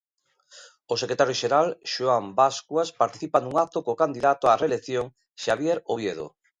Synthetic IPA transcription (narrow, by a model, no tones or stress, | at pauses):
osekɾet̪aɾjoʃeɾalʃuambaskwaspaɾt̪i̥θipanuŋat̪okokand̪iðat̪oareːlekθjoŋ | ʃaβjeɾoβjeðo̰